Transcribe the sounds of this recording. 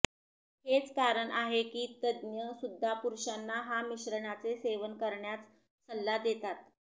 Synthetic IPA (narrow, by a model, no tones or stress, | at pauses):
het͡skaɾəɳʔaɦekiːt̪əd̪njəsud̪ʱːapuɾʂanːaɦamiɕɾəɳat͡seseʋənkəɾɳjat͡s | səlːad̪et̪at̪